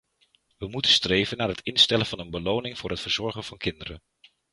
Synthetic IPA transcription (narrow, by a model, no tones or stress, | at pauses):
ʋəmutəstrejvənːaːɹɦətɪnstɛlənvɑnənbəlownɪŋv̥ʊːɹɦətfəɹz̥ɔɹχənv̥ɑnkɪndərə̰n